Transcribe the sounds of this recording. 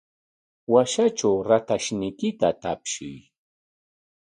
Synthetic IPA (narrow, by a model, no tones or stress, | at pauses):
waʃaʈ͡ʂawɾat̪aʃnɪjkɪt̪at̪apʃɪ̰j